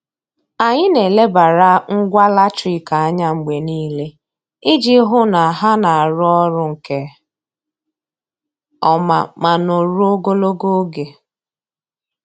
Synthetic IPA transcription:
a˨ɲɪ˦ne˨le˦ba˨ɾa˦ŋ̩˦ɡʷa˦la˦tɾi˨ka˨a˦ɲa˦ŋ͡m̩˨ɡ͡be˨niː˦le˦ | ɪ˦d͡ʒi˦ɦʊ˦na˨a˨ɦa˦na˨a˨ɾʊ˦ɔ˦ɾʊ˦ŋ̩˨ke˦ | ɔ˦ma̰˨ma˨no˨ɾu˦o˦ɡo˦lo˦ɡo˦ɡe˨

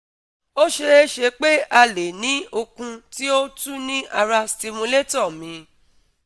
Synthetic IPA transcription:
o˦ʃe˧e˦ʃe˧k͡pe˦ʔa˧le˨nĩ˨˦o˧kũ˧ti˦o˦tu˦nĩ˦ʔa˧ɾa˧sti˧mũ˧le˦tɔ˦˨mĩ˨˧

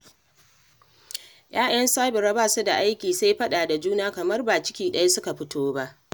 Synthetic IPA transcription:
jaː˦j̰ɐ˦nsaː˦bɪ˨ɾa˦baː˦˨su˦da˨ʔa˦jkʲiː˨sa˦jɸɐ˦ɗaː˨da˨d͡ʒuː˦naː˦kɐ˨mɐ˦rbaː˨t͡ʃɪ˦kʲiː˨ɗɐ˦ja˦sʊ˦ka˨ɸɪ˦tʰoː˦ba˦ʔ

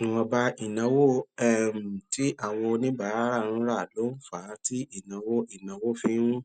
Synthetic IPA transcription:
ũ˧ɔ˧ba˧ʔi˨nã˨˦wo˦ɛ˦˨m̩˨ti˦ʔa˦˨w̃ɔ̃˧o˧nĩ˦ba˨˦˨a˦ɾa˦˨ɾ̃ũ˦ɾa˦˨lo˨˦n̩˦˨fa˨˦ti˦i˦˨nã˨wo˦i˦˨nã˨˦wo˦fĩ˦ɾũ˦

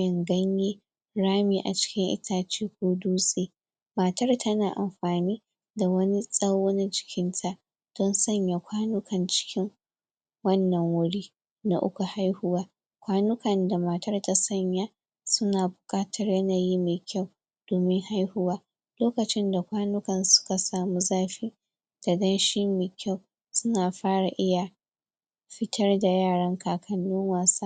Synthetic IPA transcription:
ɪ˨ŋɡɐ˦ɲjeː˦ | ɽaː˦miː˨ʔa̰˨t͡ʃɪ̥˦kʲɪ˦ŋʔɪ̰˦tʰaː˨t͡ʃiː˦kʷoː˦duː˦sʼeː˨ | ma˨tɐ˦rtʰɐ˦naː˨ʔa̰˨mɸaː˨niː˦ | da˨wɐ˦ni˦sʼɐ˦wo˦ni˦d͡ʒɪ̥˨kʲɪ˦ntʰa˨ʔ | d̥ɔ˦nsɐ˦˨ɲja˨kʷʰaː˦nʊ˦kʰɐ˨nt͡ʃɪ̥˦kʲɪ˦ŋ | wɐ˦nːɐ˨ŋwʊ˦ɽiː˦ | na̰˨ʔʊ̰˦kʷu˨ha˦jhʊ˦waː˦ | kʷaː˦nʊ˦kɐ˨nda˨ma˨tɐ˦rta˦sɐ˦ɲja˦ | sʊ˦naː˨bʊ̥˨kʼaː˦tʰɐ˨rjɐ˦naː˨ji˦meː˨kʲʰa˦˨w | d̥oː˨mɪ˦ŋha˦jhʊ˦waː˦ | loː˦kɐ˨t͡ʃɪ˦nda˨kʷaː˦nʊ˦kɐ˨nsʊ̥˦ka˨saː˨mu˦zaː˦ɸiː˦ | d̥a˨dɐ˦nʃi˦meː˨kʲa˦˨w | sʊ˦naː˨ɸaː˦ɽa˨ʔɪ˦ja˨ | ɸɪ˦tʰɐ˦rda˨jaː˦˨ɽɐ˦ŋkʰaː˨kʰɐ˨nːʊ˦ŋwaː˨sa˦

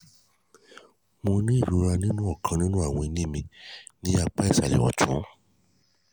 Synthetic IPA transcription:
mo˧nĩ˦i˦˨ɾu˨˦ɾa˧nĩ˦nũ˦ɔ˦˨kʰã˧nĩ˦nũ˦a˦˨w̃ɔ̃˧i˧nĩ˦mĩ˧nĩ˦a˧k͡pa˦i˦˨sa˨lɛ̰˨ɔ̰˨tũ˨˦

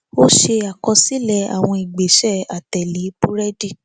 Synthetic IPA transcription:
o˦ʃe˧a˨kɔ˧si˦lɛ˦˨a̰˨w̃ɔ̃˧i˨ɡ͡be˨ʃɛ˦˨a˨tɛ˨li˨˦pu˦ɾɛ˦di˦˨

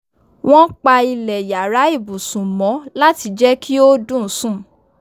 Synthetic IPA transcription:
w̃ʔɔ̃˦k͡pa˧i˧lɛ˨ja˨ɾa˨˦i˦˨bu˨sũ˨mɔ̃˨˦la˦ti˧d͡ʒɛ˦kʰi˦o˦dũ˦˨˦sũ˦˨

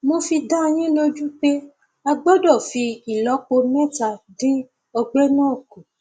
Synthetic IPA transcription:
mo˧fi˧da˦˧j̃ĩ˦lo˦d͡ʒu˦k͡pe˦ | a˧ɡ͡bɔ˦dɔ˦˨fi˧i˨lɔ˨˦k͡po˧mɛ̃˦ta˧dĩ˦ | ɔ˧ɡ͡bɛ˦nãː˦˨ko˨

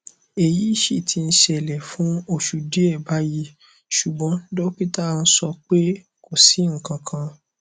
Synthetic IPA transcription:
e˨ji˨˦i˦˨ʃi˧˨tʰi˧n̩˦ʃɛ˧˨lɛ˨fũ˨˦o˦˨ʃu˨di˦ɛ˦˨ba˦ji˦ | ʃu˨ɡ͡bɔ̃˨˦n̩˦do˦k͡pi˦ta˦˨˧n̩˦sɔ˧k͡pe˦ | ko˦˨si˨˦ŋ̩˨kã˧kʰã˧

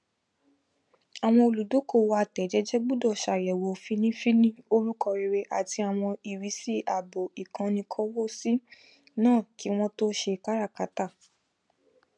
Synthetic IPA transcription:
a˨w̃ɔ̃˧o˧˨lu˨do˨˦ko˦˨wo˧a˧tɛ˨˦d͡ʒɛ˨˦d͡ʒɛ˦ɡ͡bu˦˨dɔ˦˨ʃa˨jɛ˨wo˨fi˦nĩ˦fi˦nĩ˦o˦ɾu˦kɔ˧ɾi˧ɾe˧ʔa˨ti˧a˨w̃ɔ̃˧i˨ɾi˨˦si˦a˨bo˨i˨kã˧nĩ˧kʰɔ˦wo˦si˦ | nãː˦˨ki˨˦w̃ɔ̃˦to˦ʃe˧ka˦ɾa˦˨ka˨˦ta˦˨

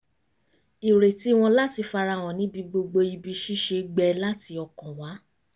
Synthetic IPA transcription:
i˨ɾe˨ti˦w̃ɔ̃˧la˦ti˧fa˧ɾa˧w̃ɔ̃˨nĩ˨˦bi˧ɡ͡bo˧ɡ͡bo˧i˧bi˧ʃi˦ʃe˧ɡ͡bɛ˧la˦ti˧ɔ˧kɔ̃˨wa˨˦

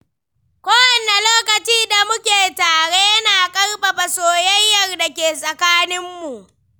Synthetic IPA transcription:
kʷoː˦wɐ˨ne˨loː˦kɐ˨t͡ʃiː˦da˨mʊ˦kʲeː˨taː˨ɽe˦jɐ˦naː˨kʼɐ˦rɸa˨ɸa˨soː˨jɐ˦jjɐ˦rda˨kʲeː˨sʼɐ˨kaː˦nɪ˦mːu˨ʔ

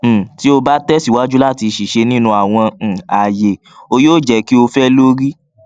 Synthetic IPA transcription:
ti˦o˧ba˦tɛ˦si˦˨wa˦d͡ʒu˦la˦˨ti˧ʃi˨ʃe˧nĩ˦nũ˧a˨w̃ɔ̃˧˨a˨je˨ | o˧joː˦˨d͡ʒɛ˧ki˦o˧fɛ˦lo˦ɾi˦

